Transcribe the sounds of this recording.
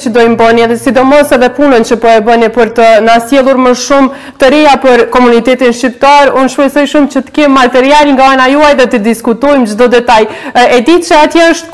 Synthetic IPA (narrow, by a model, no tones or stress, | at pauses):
t͡ʃəd̪ɔjmbəniɛðɛsid̪ɔmɔsɛðɛpunənt͡ɕəpɔɛbənipəɾt̪ənasjɛlˠuɾməʃum | t̪əɾɛjapəɾkɔmunit̪ɛt̪inʃt͡ɕip̚t̪aɾunʃpɛjsɔjʃumt͡ɕət̪ə̥kɛmːat̪ɛɾialŋɡaanajuajðɛt̪əd̪iskut̪ɔjmd͡ʒd̪ɔd̪ɛt̪ajɛd̪it̪ʃaat̪jɛəʃt̪